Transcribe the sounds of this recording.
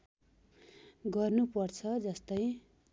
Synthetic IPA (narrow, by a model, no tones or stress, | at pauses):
ɡʌrnupʌrt͡sʰʌd͡zʌst̪ʌj̃